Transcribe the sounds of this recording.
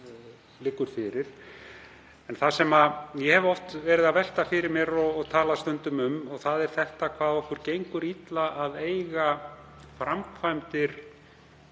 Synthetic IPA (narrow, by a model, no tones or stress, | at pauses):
lɪːkːʏɾ̥fɪɾɪɾ̥ | ɛnθasɛmajɛhɛvɔft̪vɛːɾɪðavɛl̥t̪afɪɾɪɾmjɛɾɔt̪ʰaːlast̪ʏnt̪ʏmʏmɔɣθaðɛɾ̥θɛht̪akʰvaːðɔhkʏɾ̥cejŋkʏɾit̪laʔːðeːjɣa | fɾamkʰvajmt̪ɪɾ̥